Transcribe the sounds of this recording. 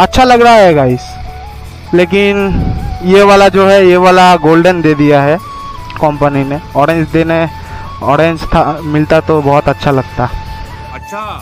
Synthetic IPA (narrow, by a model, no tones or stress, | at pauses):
ɐtːʃʰalɐɡɾaɦaɦɛɡaːɪs | leːkɪnjeʋaːlad͡ʒoːɦɛjeʋaːlaɡoːlɖənd̪eːd̪ijaɦɛ | kɔ̃ːmpənineɔːɾẽnd͡ʒd̪eːne | ɔːɾẽɲd͡ʒt̪ʰamɪlt̪at̪obɔɦʊt̪ɐtːʃʰalɐɡ̚t̪aɦɛ